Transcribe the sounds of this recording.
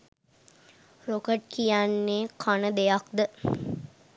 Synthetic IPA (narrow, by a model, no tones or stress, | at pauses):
rokəʈ̚kijanːeːkʰanəd̪ejakd̪ə